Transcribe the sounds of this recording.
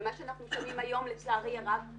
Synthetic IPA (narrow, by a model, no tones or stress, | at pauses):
maʃeanaχnuʃamimajo̞mlet͡slaʁjaʁav